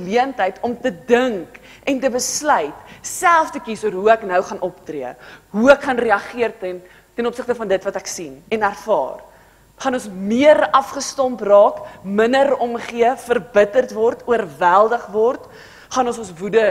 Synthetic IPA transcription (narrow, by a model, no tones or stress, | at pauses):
liəntəjtʰɔmtədəŋk | ʔɛntəbəslœɥtsælˠftəkisuəɾɦuæknəwχɐnʔɔptriəɦuækχɐnriɐχiərtɛn | tɛnɔpsəχtəfɐndətvɐtæksinɛnærfɑ̰ːr | χɐnɔnsmiərɐfχəstɔmprɑːkmənəɾɔmχiəfərbətərtvɔrtuərvælˠdəχvɔrt | χɐnɔnsɔnsvudə